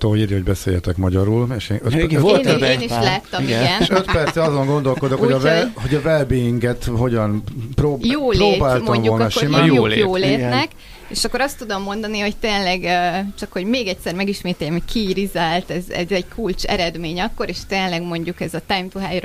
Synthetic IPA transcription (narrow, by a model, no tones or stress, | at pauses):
t̪oːiɾiho̞ɟbɛsḛːjɛt̪ɛkmɒɟɒɾuːleʃeøt̪ːeːniʃlaːt̪ːɒmiɡɛnøt̪pɛrt̪sɛɒzo̞ŋɡo̞nd̪o̞lko̞d̪okhoɟɒvɛlhoɟɒvɛlbejiŋkɛt̪ho̞ɟɒnproːjoːlroːbaːltmɔɲmvuo̞lk̪ɒʃimajojoːleːt̪nɛk | eːʃɒkːo̞ɾɒst̪ud̪o̞mːo̞nd̪ɒniho̞ct̪eːnlɛɡt͡ʃɒkho̞ɟmeːɡɛct̪sɛrmɛɡiʃmeːt̪ɛjːɛmɦo̞ckʰiɾizaːlt̪ɛzɛ̰zɛɟkʰult͡ʃɛ̰ɾɛd̪meːɲɒkːo̞ɾeːʃt̪eːnlɛɡmo̞ɲɟukɛzɒt̪ajmt̪uɦaːjr